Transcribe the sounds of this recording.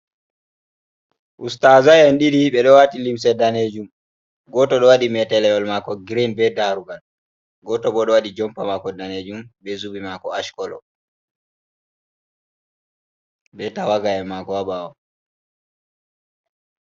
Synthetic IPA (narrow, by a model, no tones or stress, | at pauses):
ʔustazajɛnɗiɾiɓɛɗɔwatilimsɛdaned͡ʒum | ɡɔtɔɗɔwaɗimɛtɛlɛɔlmakɔɡɾinbɛdaɾuɡal | ɡɔtɔɓɔɗɔwaɗid͡ʒɔmpamakɔdaned͡ʒumbɛzubimakɔaʃkɔlɔ̰ | ɓɛtawaɡajɛmakɔwaɓaɔm